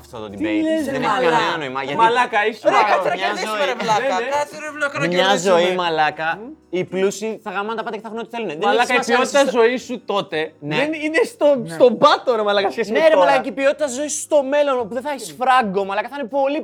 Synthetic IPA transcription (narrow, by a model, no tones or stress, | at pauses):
ft̪ot̪od̪iejzðeneçikɐneɐnoimɐʝɐt̪mɐilɐkɐisɾeɐɾɐɐzoevloɾvlokɐmɲɐzo̞imɐlɐkɐiplusiθɐɣɾɐmɐnt̪ɐpɐd̪ɐceθɐxɾonot̪iθeluneðlɐkɐipiot̪it̪ɐzo̞isut̪o̞t̪e̞neeninest̪ost̪obɐt̪oɾemɐlɐkɐsçesneɾeɐlɐkɐkeipio̞t̪i̥t̪ɐzo̞isu̥st̪o̞me̞lo̞nopuðeθɐçisfɾɐɡomɐlɐkɐθɐinepo̞li